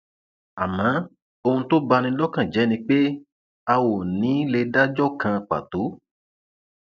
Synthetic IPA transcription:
a˨mã˨˦ | o˧hũ˧to˦ba˧nĩ˧lɔ˦kã˨d͡ʒɛ˨˦nĩ˧k͡pe˦ | a˧wo˨nĩ˨˦le˧da˦d͡ʒɔ˦˨kã˧k͡pa̰˨to˨˦

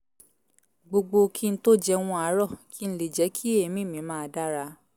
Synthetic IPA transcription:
ɡ͡bo˧ɡ͡bo˧ki˦n̩˦to˦d͡ʒɛ˧w̃ɔ̃˧a˨˦ɾɔ˦˨kʰi˦n̩˦le˨d͡ʒɛ˨˦kʰi˦e˦˨mĩ˦mĩ˨˦mãː˦˧˦da˦ɾa˧

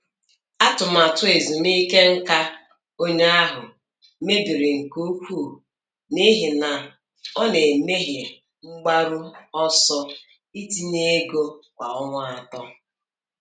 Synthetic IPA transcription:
a˦tʊ˨m˨a˨tʊ˦e˨zi˨n˦i˦ke˦ŋ̩˦ka˦ | o˦ɲ˦a˦ɦʊ˨ | me˦bi˨ɾe˨ŋ̩˨ko˦kʷu˦o˨ | ni˦ɦi˨na˨ | ɔ˦ne˨me˦ɦe˨ | ŋ͡m̩˦ɡ͡ba˦ɾʊ˦ɔ˦sɔ˦ | i˦ti˦ne˦ɡo˦kʷa̰˨ɔ˦ŋʷa˦a˨tɔ˦

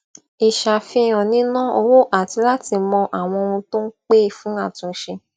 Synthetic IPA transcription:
i˨ʃa˨fĩ˧˨j̃ã˨nĩ˨˦nã˦o˧wo˦ʔa˨ti˧la˦ti˧mɔ̃˧ʔa˨w̃ɔ̃˧o˧ũ˧to˦n̩˦k͡pe˦˨fũ˨˦a˦˨tũ˨˦ʃe˧

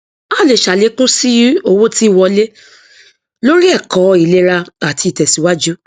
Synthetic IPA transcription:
a˦˨le˨ʃa˨le˨˦kũ˦si˦o˧wo˦ti˦˨wɔ˧le˦ | lo˦ɾi˦ɛ˦˨kɔ˨˦i˨le˦ɾa˧a˨ti˧˨tɛ˨si˨˦wa˦d͡ʒu˦

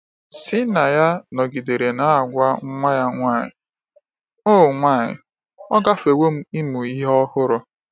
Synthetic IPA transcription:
sɪ˦na˨ja˦nɔ˨ɡi˨de˨ɾe˨na˦a˨ɡʷa˦ŋ̩˦ŋʷa˦ja˦ŋʷa˦˨ɲɪ̰˨ | oː˦˨ŋʷa˦˨ɲɪ̰˨ | ɔ˦ɡa˦fe˨wo˦m̩˦i˦mu˨i˦ɦɔ˦hʊ˦ɾʊ˦

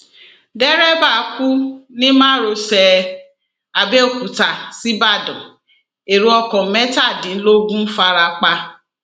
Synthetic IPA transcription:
dɛ˦ɾɛ˦ba˦˨ku˦nĩ˦mãː˦ɾo˧sɛ˧ | a˨be˦o˦˨kʷu˨ta˨si˦ba˦˨dɔ̰̃˨ | e˨ɾu˦ɔ˧kɔ̃˨mɛ˦ta˦˨dĩ˨n̩˦lo˦ɡũ˦n̩˦fa˧ɾa˧k͡pa˧

